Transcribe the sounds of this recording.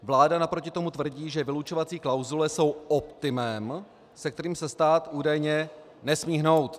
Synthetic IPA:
vlaːdanapɾo̞cɪt̪o̞mut̪vr̩ɟiːʒɛvɪlut͡ʃo̞vat͡siːklawzulɛso̞wʔopt̪ɪmɛm | sɛk̚t̪ɛɾiːmsɛst̪aːt̪ʔuːdajɲɛ | nɛsmiːɦno̞wt̪

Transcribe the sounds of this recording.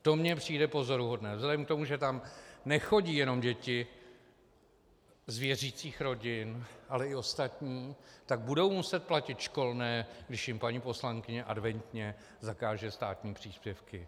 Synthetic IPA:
t̪o̞mɲɛpr̝̥iːjdɛpo̞zo̞ɾuɦo̞dnɛːzlɛdɛmk̚t̪o̞muʒɛt̪amnɛxo̞ɟiːjɛno̞mɟɛcɪ | zvjɛriːt͡siːxɾo̞ɟɪnʔalɛɪo̞st̪at̪ɲiːt̪aɡ̚budo̞wmusɛt̪̚placɪt̪ʃko̞lnɛːɡdɪʃjɪmpaɲiːpo̞slaŋkɪɲɛʔadvɛnt̪ɲɛ | zakaːʒɛst̪aːt̪ɲiːpr̝̥iːspjɛfkɪ

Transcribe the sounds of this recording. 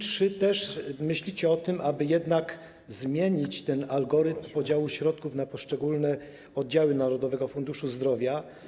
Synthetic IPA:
tʂɘt̪ɛʂmɘɕlʲit͡ɕɛɔt̪ɘmʔabɘjɛd̪nak | zmʲjeɲit͡ɕt̪ɛnalɡɔɾɘt̪mpɔd͡ʑawuɕɾɔt̪̚kufnapɔʂt͡ʂɛɡulnɛ | ɔd̪d͡ʑawɘnaɾɔd̪ɔvɛɡɔfund̪uʂuzd̪ɾɔvʲja

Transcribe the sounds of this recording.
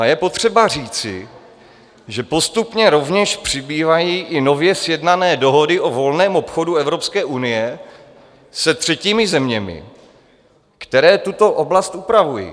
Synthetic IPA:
jɛpo̞t̪r̝̥ɛbar̝iːt͡sɪ̰ | ʒɛpo̞st̪upɲɛɾo̞vɲɛʃpr̝̥ɪbiːvajiːʔɪno̞vjɛsjɛdnanɛːdo̞ɦo̞dɪʔo̞vo̞lnɛːmo̞pxo̞duɛvɾo̞pskɛːʔunɪjɛ | sɛt̪r̝̥ɛciːmɪzɛmɲɛmɪ̰ | kt̪ɛɾɛːt̪ut̪o̞ʔoblast̪ʔupɾavujḭ

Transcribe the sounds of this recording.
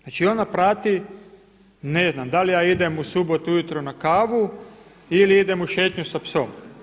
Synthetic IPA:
znaːt͡ʃio̞napɾaːt̪i | ne̞znamd̪alijaːid̪emusubot̪ujut̪ɾonakaːʋu | iliid̪emuʃet̪ɲusapsom

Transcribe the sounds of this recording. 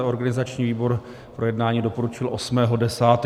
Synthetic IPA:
o̞ɾɡanɪzat͡ʃɲiːviːbo̞ɾ | pɾojɛdnaːɲiːdopo̞ɾut͡ʃɪlʔo̞smɛːɦo̞dɛsaːt̪

